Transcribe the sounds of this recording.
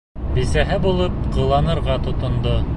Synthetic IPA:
bisæɦɘbulˠɤp̚qɤ̆lˠɑnɤ̆ɾʁɑt̪ŏt̪ŏnd̪o

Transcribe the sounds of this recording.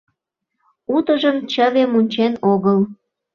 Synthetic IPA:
ut̪əʒəmt͡ɕəβemunʲt͡ɕenoɣəl

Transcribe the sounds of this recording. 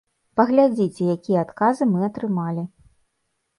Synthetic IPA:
pɐɣlʲad͡zʲit͡sʲɛjakʲijɛat̪kazɨmɨɐt̪ɾɨmalʲi

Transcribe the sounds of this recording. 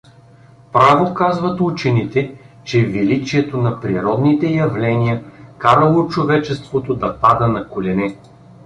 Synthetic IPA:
pɾavokazvɐt̪ut͡ʃɛnit̪ɛt͡ʃɛvilit͡ʃiɛt̪onɐpɾiɾɔd̪nit̪ɛjɐvlɛnijəkaɾəlˠot͡ʃovɛt͡ʃɛst̪vot̪od̪ɐpad̪ənɐkolʲɛnɛ

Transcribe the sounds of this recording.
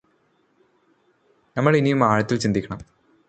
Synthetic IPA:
nɐmːɐɭinijumaːɻɐt̪ːilt͡ɕind̪ikʲːɐɳɐm

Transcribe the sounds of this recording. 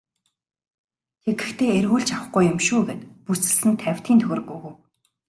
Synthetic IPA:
tʰeɡɘ̆xt̪ʰeːerɣuːɮt͡ɕawə̆χɡujʊmʃuːɡeːt̪pusɘ̆ɮsɘ̆nt̪ʰæwʲt̪ʰiːnt̪ʰɵɾɘ̆ɣujɣŭw

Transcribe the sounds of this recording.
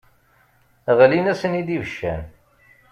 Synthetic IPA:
ʁlinæsənid̪ivəʃːæ̰n

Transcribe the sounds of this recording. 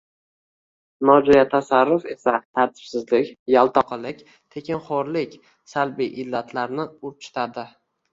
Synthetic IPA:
nɒd͡ʒɔjat̪ʰasaɾːʊfe̞sat̪ʰaɾt̪ʰɪ̥b̥sɪzlɪkʲjalˠt̪ʰɒqʰɨlɪkʲ | t̪ʰekʲɪnχɒɾlɪkʲ | salbiʔɪlːat̪ʰlaɾnɪʊɾt͡ʃʰʊ̥t̪ʰad̪ɪ

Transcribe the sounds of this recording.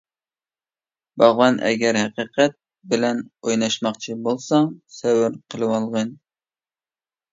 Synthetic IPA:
bɑʁvɑnʔɛ̰ɡʲɛɾhæqiqʰɛt̪̚ | bɪlɛnojnɑʃmɑqt͡ʃʰibolˠsɑsɛwɪɾqʰəlˠɨwɑlˠʁən

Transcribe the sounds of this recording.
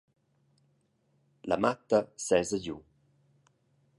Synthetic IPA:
la̰mat̪ːəsɛzəɟu

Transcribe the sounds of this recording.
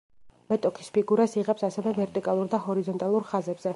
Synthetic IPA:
mɛt̪ʼɔkʰi̥spʰiɡuɾasiʁɛpsasɛvɛvɛɾt̪ʼikʼalˠuɾd̪ahɔɾizɔnt̪ʼalˠuɾχazɛbz̥ɛ

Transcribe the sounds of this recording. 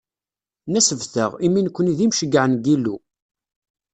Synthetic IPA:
næsəvθə̰ʁiminkʷːəniðimʃəɡʕənɡilu

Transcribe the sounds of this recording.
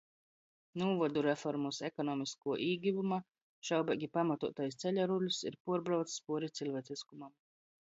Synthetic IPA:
nuːvɔd̪uɾɛfɔɾmusɛkɔnɔːmiskuɔʔiːɡʲivuma | ʃawbɛɡʲipamat̪uɔt̪ajst̪sɛʎʲaɾulʲusḭɾpuɔɾbɾawt̪sspuɔɾit̪silʲvɛːd̪sʲiskumam

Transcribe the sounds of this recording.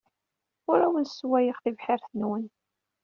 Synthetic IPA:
ʊɾæwənswæjəʁθivħɪɾθənwən

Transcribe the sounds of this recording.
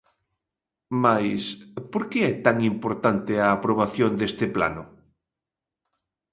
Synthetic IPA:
majspoɾkeɛt̪aŋimpoɾt̪ant̪ɪaːpɾoβ̞aθjond̪est̪ɪpla̰nʊ

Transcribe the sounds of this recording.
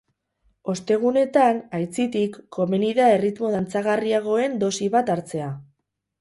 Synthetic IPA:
o̞st̪e̞ɣ̞une̞t̪anajt͡sit̪ikːo̞meniðae̞rit̪mo̞ðant͡saɣariaɣ̞o̞e̞nd̪o̞siβat̪aɾt͡se̞a

